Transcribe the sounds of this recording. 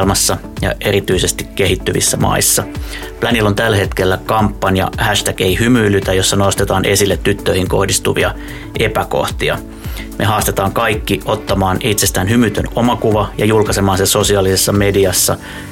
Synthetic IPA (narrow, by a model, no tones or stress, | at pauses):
lmɑsːɑ | jɑ̰ʔe̞ɾit̪yise̞st̪ikkːe̞ɦit̪ːyʋḭsːæmɑ̰isːɑ | plænilːo̞nt̪ælːæhe̞t̪k̟e̞lːækɑmpːɑnjɑ̰hæʃt̪ækeihymyːlyt̪æjo̞sːɑno̞st̪et̪ɑːnʔe̞silːet̪ːyt̪ːøihiŋko̞hdist̪uʋiɑ | ʔepæko̞̰ht̪iɑ̰ | mʔe̞ɦɑːst̪e̞t̪ɑːŋkɑikːiʔo̞t̪ːɑmɑːnʔit̪sest̪æːnhymyt̪ø̰no̞mɑkuʋɑjɑ̰julkɑse̞mɑːnsenso̞siɑːlisesːɑme̞diɑsːɑ̰